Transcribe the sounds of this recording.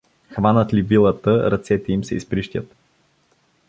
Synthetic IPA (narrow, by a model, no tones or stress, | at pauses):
xvanət̪livilˠət̪əɾɐt̪sɛt̪ɛimsɛḭspɾiʃt̪ʲət̪